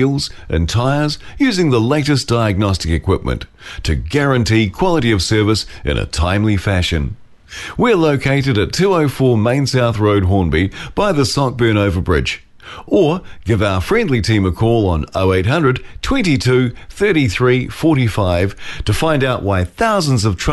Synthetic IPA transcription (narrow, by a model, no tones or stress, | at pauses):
lˠzʔɨ̰̃ntʰaɪə˞zjʉzɪ̃ŋðəleɪɾɨsd̥aɪɨɡ̚nɑstɨkɨkʰw̥ɪp̚mɨ̰̃nt | tʰɨɡæɹɨ̃ntikʰw̥ɑlˠəɾiʌv̥sɜ˞vəsɨ̰̃nʔɨ̰tʰãɪ̃mlifæʃɨ̃n | wiəloʊkʰeɪɾɨɾɨtʰʉoʊfɔɹmẽɪ̃nsaʊθɹoʊd̚ɦɔ̃ɹnbib̥aɪðəsɑk̚b̥ɜ̃˞ñoʊvə˞bɹɪ̰d͡ʒ | ə˞ɡ̥ɪvaʊə˞fɹɛ̃ndˡlitʰĩməkʰɔlˠə̃noʊeɪt̚ɦʌ̃ndɹɨd̚tʰw̥ɛ̃ntitʰʉθɜ˞ɾiθɹifɔɹɾifaɪv̥tʰɨfãɪ̃ndaʊʔwaɪθaʊzn̩zʌv̥tʰ